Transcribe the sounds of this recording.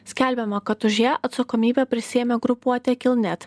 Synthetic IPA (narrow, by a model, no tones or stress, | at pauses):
sʲkʲɛlʲbʲɛmɐkɐt̪ʊʒʲiɛʔɐt̪sɐkɔmʲiːbʲɛpʲɾʲɪsʲiɛmʲeɡɾʊpuɔt̪ʲɛkʲɪlˠʲnʲɛt̪